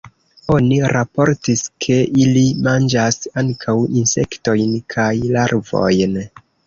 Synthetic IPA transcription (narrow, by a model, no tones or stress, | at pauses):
o̞niɾapo̞ɾtiskʰe̞ʔilimand͡ʒasaŋkʰawinse̞kto̞jnkʰajlaɾvo̞̰jn